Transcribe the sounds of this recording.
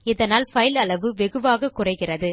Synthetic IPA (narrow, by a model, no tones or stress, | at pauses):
ɪðɐnaːlfɐjɪlɐɭɐʋɯʋɛɣɯʋaːɣɐkːʊrɐɪɣɪrɐðɯ